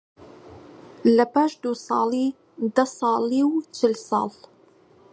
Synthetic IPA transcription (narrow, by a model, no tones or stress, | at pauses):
lɐpaːʃd̪usˤɑːliː | d̪ɐsˤɑːliːwt͡ʃɪlsɑ̰ːl